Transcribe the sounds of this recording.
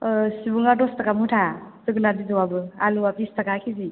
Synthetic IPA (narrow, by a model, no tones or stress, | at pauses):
sibuŋadostakamutʰazɯɡɯnadizɔwabɯaluwapistakakʰizi